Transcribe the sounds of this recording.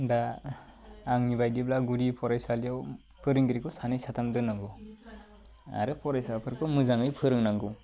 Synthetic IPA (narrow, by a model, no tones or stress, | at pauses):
daː | ŋnibajdiblaɡuɾipʰɔɾajsalijaw | pʰɯɾɯŋɡiɾikʰɯsanɯjsatʰamdɯnaŋɡu | a̰ɾɯpʰɔɾajsapʰɯɾkʰɯmɯzaŋɯjpʰɯɾɯŋnaŋɡu